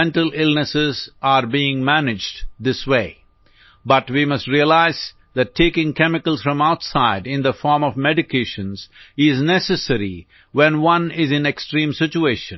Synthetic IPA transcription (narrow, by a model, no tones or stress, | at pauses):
ɛ̃nʈəlɪlnəsɪzaɾbiːɪ̃ŋmænɪd͡ʒdd̪ɪsweɪ | bʌʈwimʌstɾiəlaɪz | ðæʈʰːeːkɪ̃ŋkɛmɪkəl̩ˠsfɾʌ̃maʊtsaɪɖɪ̃nd̪əfɔːɾmɔvmɛɖɪkʰeʃə̃nzɪznɛsəsəɾi | wɛ̃nwʌ̃nɪzɨ̃neksʈɾĩːmsɪt͡ʃueːʃə̃n